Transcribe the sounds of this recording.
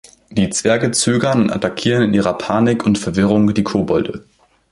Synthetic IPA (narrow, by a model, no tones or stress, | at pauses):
d̥iːt͡sv̥ɛɐɡət͡søːɡɐnʊntʔa̰takʰiːʁənɪnʔiːʁɐpʰaːnɪkʰʊntfɛɐvɪʁ̞ʊŋdiːkʰoːbɔldə